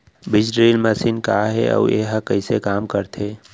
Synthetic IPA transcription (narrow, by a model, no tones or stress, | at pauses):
bɪd͡ʒɖɾeːlməsinkaɦḛə̰eɦəkəɪsekaːmkəɾt̪ʰeː